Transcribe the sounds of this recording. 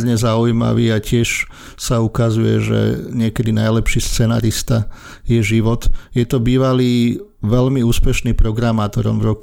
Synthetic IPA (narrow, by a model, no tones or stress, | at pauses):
zɲɛzaujma̰ʋiːacɪɛʃ | saukazujɛ̰ʒɛ̰ɲɪɛkɛd̪inajlɛpʃiːst͡sɛna̰ːɾist̪a | jɛʒiʋɔt̪jɛt̪ɔbiːʋaliː | ʋɛʎmiuːspɛʃniːpɾɔɡɾamaːt̪ɔɾɔ̰mvɾɔk